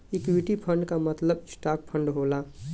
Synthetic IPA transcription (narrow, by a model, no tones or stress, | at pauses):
ɪkwiʈipʰə̃ɳɖkamət̪ləbsʈaːk̚pʰə̃ɳɖɦoːla